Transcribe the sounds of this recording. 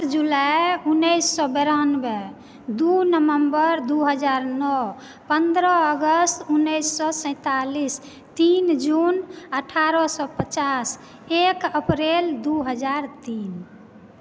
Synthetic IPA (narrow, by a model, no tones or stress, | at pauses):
ɾd͡ʒulajunːəjsːɔbɛɾanbe | d̪unəʋəmbəɾd̪uɦəd͡ʒaɾnɔ | pənd̪ɾəəɡəst̪unːəjsːɔsə̃ɪ̃t̪alis | t̪ind͡ʒunəʈʰaɾɔsɔpət͡ʃas | ekəpɾeld̪uɦəd͡ʒaɾt̪in